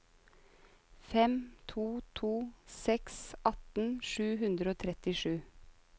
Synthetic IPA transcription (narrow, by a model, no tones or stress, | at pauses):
fɛmt̪ʰuːt̪ʰuːsɛksʔɑt̪n̩ʃʉːhʉnd̪ɾəoːt̪ʰɾɛt̪ɪʃʉː